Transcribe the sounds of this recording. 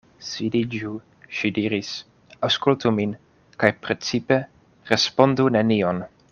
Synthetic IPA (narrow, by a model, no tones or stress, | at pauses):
sidid͡ʒu | ʃidiɾis | awskultumin | kajpɾet͡sipe̞ | ɾespo̞ndunenion